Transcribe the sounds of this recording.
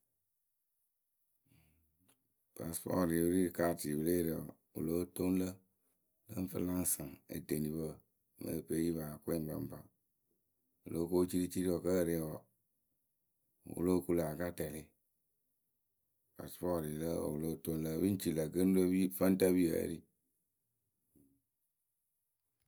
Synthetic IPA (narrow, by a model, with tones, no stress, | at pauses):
pa˨spɔ̰˦˨ɾi˨wu˦ɾi˦˨ka˦˨ti˨bɨ˦ɾe˦ɾḛ˨ | ṵ˨lo˦to˦n˦lə˦ | lə˦ɱ̩˦fə˦la˦ŋ˨sa˨ḛ˨de˨ni˨bə˦˨ | mə̰˦˨pe˦ji˦βa˨kʷːm˦ba̰˦m˦ba˨ | ṵ˨lʔo˨˦ko˦t͡ʃi˦ɾi˦t͡ʃi˦ɾi˦wɔ˨kə˦˨ɾe˨wɔ˨ | wṵ˦lo˦˨ku˦la˨ka˦tɛ˨le˦ | pa̰˨sfɔ˦˨ɾi˨lə˦o̰˨wu˨lo˦to˦nlə˦βi˦n˦t͡ʃi˨la˨ɡə˦n˦do˦βi˦fə˦n˦ta˦bi˦a̰˨˦ɾi˦